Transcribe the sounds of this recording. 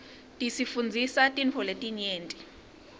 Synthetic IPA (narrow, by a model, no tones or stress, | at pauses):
tʼisifund͡zʱisatʼinpʰɔletʼiɲeːntʼi̥